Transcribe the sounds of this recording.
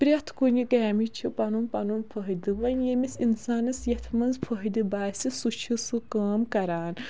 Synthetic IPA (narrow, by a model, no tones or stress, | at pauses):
pɾʲɐt̪ʰkunikɛːmit͡ʃʰipɐnumpɐnumpʰəɦid̪ɨʋɐnjemisinsaːnɐsjɐt̪ʰmɐnzpʰəɦid̪ɨbaːsʲisut͡ʃʰisɨkaːmkɐɾaːn